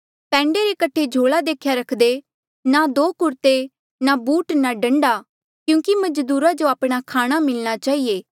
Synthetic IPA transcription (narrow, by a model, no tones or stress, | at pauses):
pɛ̃ːɳɖeɾekəʈʰed͡ʒʱoːɭad̪eːkʰjaɾɐkʰd̪e | nad̪oːkʊɾt̪e | nabuːʈnaɖə̃ɳɖaː | kjũːkimɐd͡ʒd̪uːɾad͡ʒoaːpɽ̃akʰaːɽ̃amɪlñat͡ʃaːieː